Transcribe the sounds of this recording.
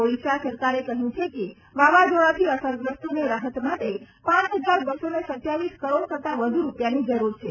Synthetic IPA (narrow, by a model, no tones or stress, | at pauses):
oliʃasəɾkaɾekəɦjũt͡ʃʰeke | ʋaʋad͡ʒoɭat̪ʰiəsəɾɡɾəsʈ̪uneɾaɦət̪maʈ̪e | pãt͡ʃɦəd͡ʒaɾbəsonesət̪jaʋiskəɾoɽkət̪aʋəd̪ʱuɾupjanid͡ʒəɾuɾt͡ʃʰe